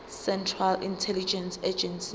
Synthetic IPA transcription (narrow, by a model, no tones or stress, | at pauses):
sɛ̃ntʰralintʰɛlid͡ʒɛ̃nsɛd͡ʒɛ̃nsi